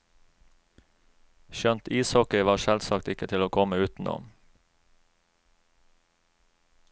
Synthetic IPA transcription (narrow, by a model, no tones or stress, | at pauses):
ʃœnt̪ʰiːshɔkəʋɑːʃɛlsɑkt̪ɪkət̪ʰɪloːkʰɔməʉːt̪n̩ʔo̰ː